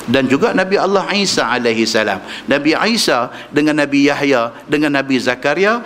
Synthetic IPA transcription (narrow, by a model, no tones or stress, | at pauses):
dand͡ʒuɡanãbialːahisaalaɦisːala̰mnãbiʕasa | dəŋãnːãbijahja | dəŋãnːãbizakaɾija